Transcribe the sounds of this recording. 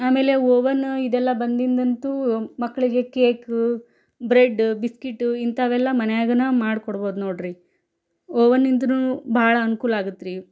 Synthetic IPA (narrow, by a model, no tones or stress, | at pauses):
aːme̞ːle̞oːʋɐnid̪ɛlːɐbɐnd̪ind̪ɐnt̪umɐkːɐɭiɡe̞keːk | bɾeɖbiskiʈːint̪ʰɐʋɛlːɐmɐnɛjaːɡɐnɐmaːɽkoɽbo̞ːd̪uno̞ːɽɾi | oːʋɐnːind̪ɐnubʱaːɭɐɐnukuːlaːɡut̪ːɾiː